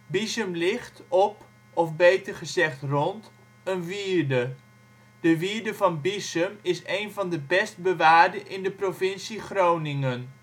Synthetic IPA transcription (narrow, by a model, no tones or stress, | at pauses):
bizəmlɪχtɔp | ɔfbejtəɹχəzɛχtrɔnt | ənʋiːɹdə | d̥əʋiːɹdəvɑnbisəmɪsejnvɑndəbɛst̚bəʋaːɹdəʔɪndəprovɪnsiχrownɪŋən